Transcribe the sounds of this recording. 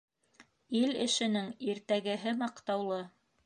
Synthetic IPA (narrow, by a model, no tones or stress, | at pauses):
ilɘ̆ʃɘ̆nɘŋiɾt̪æɡɘ̆ɦɘmɑqt̪ɑwlˠɤ